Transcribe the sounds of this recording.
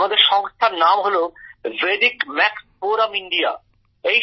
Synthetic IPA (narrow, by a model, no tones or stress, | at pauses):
mad̪eɾʃɔŋst̪ʰaɾnamɦoloveɖikmɛkspoɾamiɳɖia̰ | ej